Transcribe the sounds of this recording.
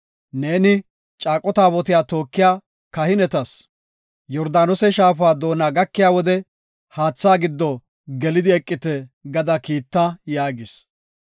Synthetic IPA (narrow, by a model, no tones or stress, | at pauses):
ne̞ːnɪ | t͡ʃʼaːkʼːɔt̪aːbɔt̪ɪjaːt̪o̞ːkːɪjaː | kɐhɪnɛt̪ɐs | jɔɾd̪aːnɔsɛʃaːfaːd̪o̞ːnaːɡɐkːɪjaːwɔd̪ɛ | haːt͡sːaːɡɪd̪ːɔ | ɡɛlɪd̪ɪɛkʼːɪt̪ɛɡɐd̪ɐkiːt̪ːɐjaːɡɪs